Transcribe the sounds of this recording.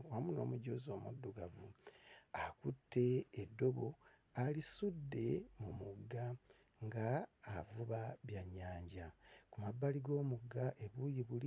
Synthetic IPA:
wamuno̞̰ːmuɟozo̞ːmṵdːuɡavu | akutʰːe̞ːdːo̞βo̞ | alisudːe̞mumuɡːa | ŋɡaːvuβaβjaɲaːɲɟakumabːaliɡo̞ːmuɡaʔe̞βujiβuli

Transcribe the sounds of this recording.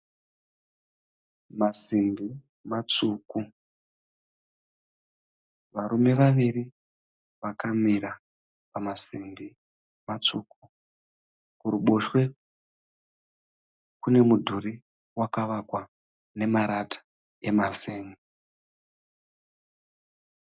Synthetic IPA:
masimbi | mat͡suːku | ʋaɾume̞ʋaʋiri | ʋakamiɾa | pamasimbi | mat͡suku | kuruɓoʃwe̞ | kune̞mudʱuri | wakaʋakwa | ne̞maɾatʰḁ | e̞maseːmu

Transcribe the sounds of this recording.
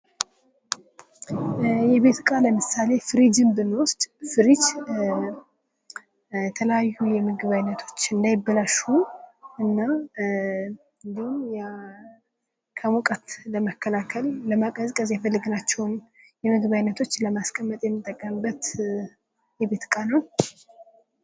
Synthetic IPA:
jɛβe̞t̪kʼaləmɨsale̞fɨɾid͡ʒɨmbɨnwʊst̪ʼfɨɾid͡ʒ | jɛt̪ʰələjajːujɛmɨɡɨβajnːət̪ʰo̞t͡ʃːɨnd̪ajɪbːəlaʃuʔɨnːa | ɨnd̪ihumj | kʰəmukʼət̪ləməkːəlakʰəlːəmakʼəzkʼəzjɛfəlːɨɡɨnat͡ʃːɛwn | jɛmɨɡɨβajnət̪ʰo̞t͡ʃːləmaskʼəmːət̪ʼjɛmːɨt̪ʼːəkʼːəmɨbːət̪ | jɛbe̞t̪kʼanəw

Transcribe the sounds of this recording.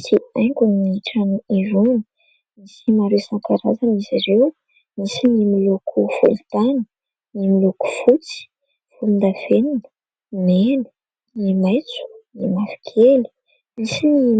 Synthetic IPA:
siajŋkunniʈ͡ʂaniivuni̥ | misimaɾesaŋkaɾazaniziɾew | misinimilokʰufṵlut̪anə̥ | nimiloku̥fut͡si̥ | fulund̪av̥eninə̥ | menu̥ | nimajt͡su̥nimafi̥kʰeli̥ | misini

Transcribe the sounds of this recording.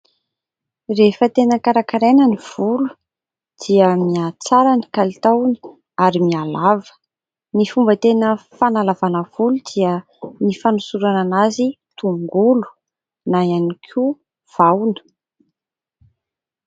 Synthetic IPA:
refət̪enəkaɾakaɾenəniv̥ulu̥ | d̪̥iəmiat͡saɾanikalit̪awni̥ | aɾimialavə̥ | nifumbət̪enəfanalavanəv̥ulud̪iə | nifanusuɾananazi | t̪uŋɡulu̥ | najanikʰu | v̥awnə̥

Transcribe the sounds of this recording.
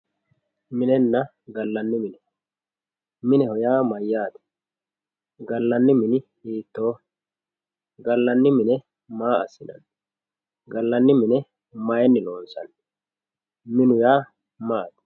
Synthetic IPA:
mɪnɛnːɐ | ɡɐlːɐnːɪmɪnɛ | mɪnɛhɔjaːmɐjːaːt̪ɛ̥ | ɡɐlːɐnːɪmɪnɪ | iːt̪ːo̞ː | ɡɐlːɐnːɪmɪnɛ | maːɐsːɪnɐ̰n | ɡɐlːɐnːɪmɪnɛ | mɐjɛnːɪloːnsɐ̰n | mɪnʊjaː | maːt̪

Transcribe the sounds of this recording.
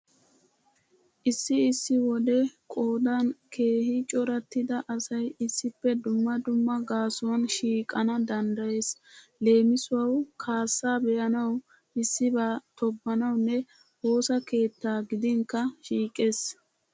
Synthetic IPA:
ʔɪsːɪɪsːɪwɔd̪ɛkʼo̞ːd̪ankʰe̞ːhɪt͡ʃʼɔɾɐt̪ːɪd̪ɐʔɐsɐjɪsːɪpːɛd̪ʊmːɐd̪ʊmːɐɡaːsʊwɐnʃiːkʼːɐnɐd̪ɐnd̪ɐje̞ːsle̞ːmɪsʊwɐwkʰaːsːaːbɛjɐnɐw | ʔɪsːɪbaːt̪ɔbːɐnɐwnːɛ | ho̞ːsɐke̞ːt̪ːaːɡɪd̪ɪŋkːɐʃiːkʼːe̞ːs

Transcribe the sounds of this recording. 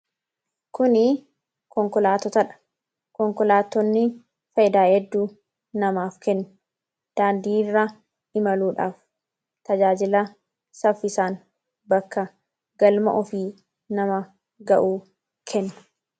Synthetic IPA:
kʊnɪ | kɔŋkɔlaːt̪ɔt̪ɐᶑɐ̥ | kɔŋkɔlaːt̪ːɔnːɪ | fɐjɪd̪aːhɛd̪ːuː | nɐmaːfkɛnːʊ | d̪̥aːnd̪iːrːa | ɪmɐluːᶑa̰ːf | t̪ɐd͡ʒaːd͡ʒɪlɐ | sɐfːɪsaːn | bɐkːɐ | ɡɐlmɐ̰ʔɔfiː | nɐmɐ | ɡɐ̰ʔuː | kʰɛnːʊ̥

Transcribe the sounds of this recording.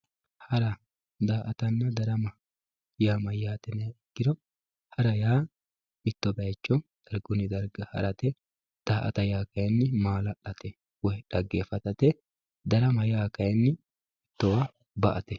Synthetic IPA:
hɐɾɐ | d̪aːʔɐt̪ɐnːɐd̪ɐɾɐmɐ | jaːmɐjaːt̪ɛnɐjɛɡːɪd̪ɔ | hɐɾɐjaː | ɪt̪ːɔbɐjt͡ʃːɔd̪̥ɐɾɡʊnɪd̪ɐɾɡɐhɐ̰ɾɐt̪ɛ | d̪̥aːʔɐt̪ɐjaːkɐjɛnːɪmaːlɐɗɐt̪ɛ | wɔjᶑɐɡːeːfɐt̪ɐt̪ɛ | d̪ɐɾɐmɐjaːkɐjɛnːɪ | ɪt̪ːɔwɐ | bɐʔɐt̪ɛ

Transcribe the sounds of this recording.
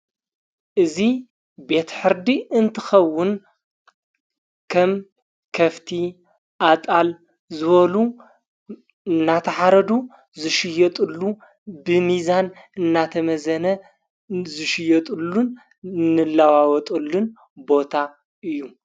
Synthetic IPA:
ʔɨzi | be̞t̪ħɨɾd̪iɨnt̪ʰɨxɐwːʊn | kʰɐm | kʰɐft̪ʰi | ʔat̪ʼal | zɨβɐlu | ɨnːat̪ʰɐħaɾɐd̪u | zɨʃɪjɐt̪ʼɨlːu | bɨmizan | ɨnːat̪ʰɐmɐzɐnɐ | zɨʃɪjːɐt̪ʼɨlːun | nɨlːawawɔt̪ʼɨlːun | bo̞t̪ʰa | ʔɨjːu

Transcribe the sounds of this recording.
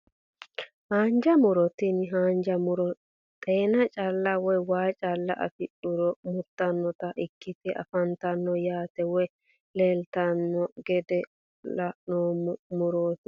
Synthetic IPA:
haːnd͡ʒɐmʊɾɔt̪ɪnɦaːnd͡ʒɐmʊɾɔ | t̪ʼeːnɐt͡ʃʼɐlːɐwɔjwaːt͡ʃʼɐlːɐʔɐ̰fɪʔʊɾɔmʊt̪ːɐnːɔt̪ɐʔɪkːɪfɛʔɐ̰fɐnt̪ɐnːɔjaːt̪ɛwɔj | leːlt̪ɐnːɔɡɛd̪ɛ | lɐʔnoːmmʊɾoːt̪ɪ

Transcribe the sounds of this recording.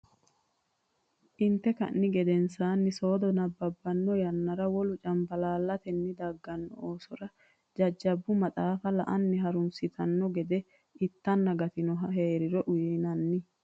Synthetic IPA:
ʔɪnt̪ːɛkɐ̰nːɪɡɛd̪ɛnsaːnːɪso̞ːd̪ɔnɐbːɐbːɐnːɔjɐnːɐɾɐwɔlʊt͡ʃʼɐmbɐlaːlːɐt̪ɛnːɪd̪ɐɡːɐnːɔ̰oːsɔɾɐ | d͡ʒɐd͡ʒːɐbːʊmɐtʼaːfɐlɐʔɐnːɪɦɐɾʊnsɪt̪ʰɐnːɔɡɛd̪ɛ | ɪt̪ːɐnːɐɡɐt̪ɪnɔɦɐɦeːɾɪɾɔʔʊjnɐnːɪ

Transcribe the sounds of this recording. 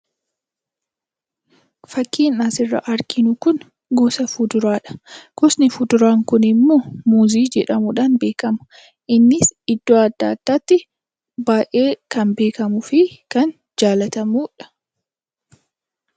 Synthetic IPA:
fɐkːiːnaːsɪrːɐ̰ʔɐɾkʰɪnʊkʊn | ɡɔːsɐfʊd̪ʊɾaːᶑɐ̥kɔsnɪfʊd̪ʊɾaːŋkʊnɪmːoːmuːziːd͡ʒɛᶑɐmʊᶑaːnbe̞ːkɐmʊ̥ | ʔɪnːɪsɪd̪ːoːɐd̪ːa̰ːd̪̥ːaːt̪ːɪ | baːʔe̞ːkɐnbe̞ːkɐmʊfɪkɐn | d͡ʒaːlɐt̪ɐmuːᶑɐ̥

